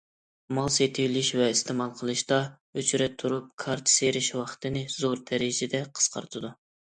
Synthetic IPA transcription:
mɑlˠset̪ʰɪwlɪʃvɛist̪ʰɨmɑlˠqʰəlˠɨʃt̪ɑ | øt͡ʃʰyɾɛt̪ʰːuɾup̚kʰɑɾt̪ʰɨ̥seɾɪʃwɑχt̪ʰɨnɨzoɾd̪ɛɾɪd͡ʒɛd̪ɛqʰə̥sqɑ̰ɾt̪ʰɨd̪u

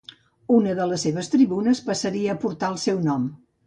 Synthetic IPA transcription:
unəðələsːeβ̞əst̪ɾiβunəspəsəɾiəːpuɾt̪aəlˠsɛwnɔm

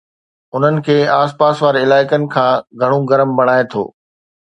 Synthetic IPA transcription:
ʊn̤ənɪ̆kʰeːaːspaːsʋaːɾɪlaːɪkənɪ̆kʰãːɡʱɐɽ̃oɡɐɾəmbɐɽ̃aːet̪ʰo̰ː

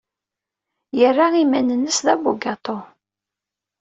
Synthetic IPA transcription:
jərːaimænənːəsðæbuɡɑt̪ˤo

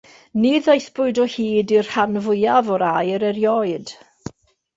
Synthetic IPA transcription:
niðajθb̥ʊɨdɔhiːdir̥hanvʊjavɔɾajəɾɛɾjɔɨd̥

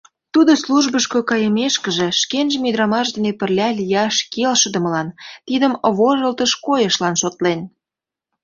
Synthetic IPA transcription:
t̪ud̪osluʒbəʃkokɑjəmeʃkə̆ʒĕʃkenʒə̆myd̪ɾɑmɑʃd̪ə̆nepə̆rlʲɑlʲijɑʃkelʃəd̪ə̆mə̆lɑnt̪id̪əmβoʒəlt̪əʃkojəʃlɑnʃot̪len

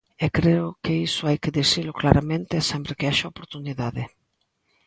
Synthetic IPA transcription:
ɛkɾeʊkeisʊajkɪðisilʊklaɾamẽnt̪eɛsɛmpɾekeaʃaopoɾt̪uniðaðɪ

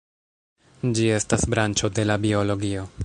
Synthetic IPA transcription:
d͡ʒie̞stasbɾant͡ʃo̞de̞labio̞lo̞ɡio̞

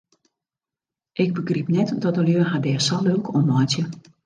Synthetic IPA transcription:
ʔɪɡ̚bəɡripnɛtdɔtəljøːɦadɛːsɔlølˠkʰɔmɔjtjə

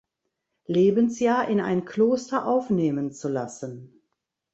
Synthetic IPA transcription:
leːbənsjaːɐʔɪna̰ɪnkʰl̥oːstɐʔaʊfneːmənt͡sula̰sən

